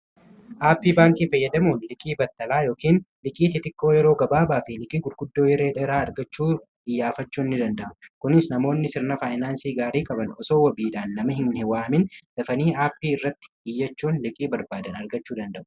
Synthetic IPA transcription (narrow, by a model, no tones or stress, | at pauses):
ʔaːpːiːbaːŋkiːfɐjːɐd̪ɐmuːnlɪkʼiːbɐt̪ːɐlaːjo̞ːkiːnlɪkʼiːt̪ɪt̪ɪkːo̞ːjɛɾo̞ːɡɐbaːbaːfɪlɪkʼiːɡʊlɡʊd̪ːo̞ːjɛɾeːᶑɛɾaːɐɾɡɐt͡ʃːuː | ʔɪjːaːfɐt͡ʃːuːɪnːɪd̪ɐnd̪ɐʔʊkʊnɪsnɐmo̞ːnːɪsɪɾnɐfaːjnaːnsiːɡaːɾiːkʼɐbɐnɔsoːwɐbiːᶑaːnːɐmɐɦɪnhɪwaːmɪnd̪̥ɐfɐniːaːpːiːɪrːɐt̪ːɪ̥ɪjːɐt͡ʃːuːnlɪkʼiːbɐɾbaːd̪ɐnɐɾɡɐt͡ʃːuːd̪ɐnd̪ɐʔʊ̥